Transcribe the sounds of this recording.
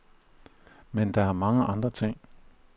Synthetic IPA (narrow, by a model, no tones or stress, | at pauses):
mẽnd̪aãmãŋãʔãnd̪at͡sẽ